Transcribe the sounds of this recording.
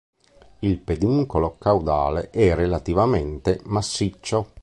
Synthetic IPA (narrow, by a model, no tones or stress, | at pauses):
ilped̪uŋkolokawd̪a̰ːleʔɛrːelat̪ivamɛnt̪emasːit͡ʃːo